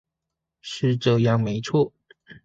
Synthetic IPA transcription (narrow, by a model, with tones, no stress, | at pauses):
ʂɻ̩˥˧ʈ͡ʂɤ˥˧jɑ˥˩ŋme˧˥ɪt͡sʰwɔ˥˩